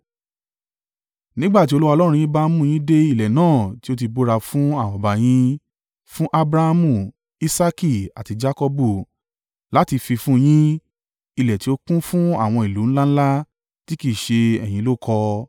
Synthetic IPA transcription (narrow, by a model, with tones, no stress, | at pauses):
nĩ˦ɡ͡ba˦˨ti˦o˧lu˦wa˧lɔ˦ɾ̃ũ˧j̃ĩ˦ba˦mũ˦˨j̃ĩ˦de˦i˦˨lɛ˨nãː˦˨ti˦o˦t̬i˧bo˦ɾa˧fũ˦a˦˨wɔ̃˨ba˨j̃ĩ˦ | fũ˦ʔa˦bɾa˧ha˧mũ˨ | i˦sa˦ki˦˨a˨ti˧d͡ʒa˦kɔ˦bu˦˨ | la˨˦ti˧fi˧fũ˦˧j̃ĩ˦ | i˦˨lɛ˨ti˨˦o˦kũ˦fũ˦a̰˦˨w̃ɔ̃˧i˨lu˨˦ñ̩˦la˦ñ̩˦la˦ | ti˦ki˦˨ʃe˧ɛ̰˨j̃ĩ˨˦lo˦˨kʰɔ˧